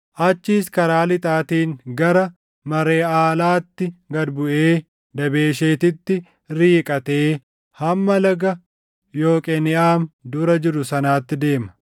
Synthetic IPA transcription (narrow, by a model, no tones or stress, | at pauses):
ʔɐt͡ʃːiːskɐɾaːlɪt̪ʼaːt̪iːŋɡɐɾɐ | mɐɾe̞ːaːlaːt̪ːɪɡɐd̪bʊʔeː | d̪ɐbe̞ːʃeːt̪ɪt̪ːɪ | ɾiːkʼɐt̪e̞ː | hɐmːɐlɐɡɐ | jo̞ːkʼɛnɪʔaːmd̪ʊːɾɐd͡ʒɪɾʊsɐnaːt̪ːɪd̪e̞ːmɐ